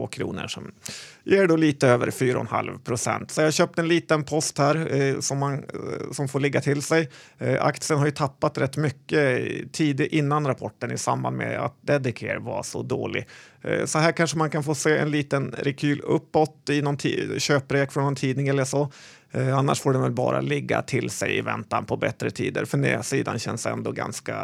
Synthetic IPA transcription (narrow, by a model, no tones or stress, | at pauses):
oːkʰɾṵːnə̰ʂɔ̰mjeːɖoliːt̪əøːvə̰ɾfyːɾa̰ɔ̰nha̰lvpʰɾʊsɛ̰nt̪sɔjɑhaɾɕøːp̚t̪ɛnliːt̪ənpʰɔst̪hæːɾsɔmːansɔmfoːɾɭɪɡːat̪ʰɪlsɛjʔa̰kt̪sɪənɦaɾjɵt̪ʰapːat̪ɾɛt̪ːmʏkːət̪ʰiːd̪ɪʔɪnːanɾapʰɔʈːənɪsa̰mband̪mɛ̰a̰t̪̚d̪ɛd̪ɪkʰḛːɾva̰sɔ̰d̪o̰ːlɪ̰sɔɦæːɾkʰanʂəmankʰanfoːseːɛ̰nliːt̪ənɾʔɪkʰyːlɵ̰pːɔt̪ɪnɔnt̪ʰiːɕøːpɾeːkfɾɔnːɔnt̪ʰiːd̪nɪŋɛlːəʂɔ | anːa̰ʂfoːɖɛnvɛlbɑ̰ːɾʔa̰lɪɡːa̰t̪ʰɪlsɛjɪ̰vɛ̰nt̪anpʰɔbɛt̪ɾət̪ʰiːd̪ə̰ɾfœɳɛ̰siːd̪a̰nɕɛnːsɛ̰nd̪o̰ːɡa̰nska̰